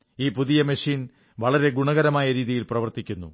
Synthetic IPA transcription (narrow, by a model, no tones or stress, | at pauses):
iːpuðijɐmeʂiːn | ʋɐɭɐɾe̞ɡuɳɐɣɐɾɐmaːjɐɾiːðijilprɐʋɐrt̪ikʲːunːṵ